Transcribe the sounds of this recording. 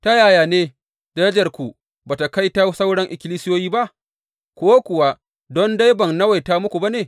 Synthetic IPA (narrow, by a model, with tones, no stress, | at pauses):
ta˦jaː˨jaː˨neː˦ | dɐ˦ɾɛ˦d͡ʒɐ˨rkʷu˨ | baː˨ta˨ka˦jta˦sa˦wɽɔ˦ŋʔɪ˨kʲɪ˦liː˦sɪ˦joː˦jiː˦ba˦ʔ | kʷʊ˦wa˦kʷʊ˨wa˦ | dɔ˦nda˦jbɐ˨ŋnɐ˦wa˨jtaː˦mʊ˦kʷu˨ba˦neː˨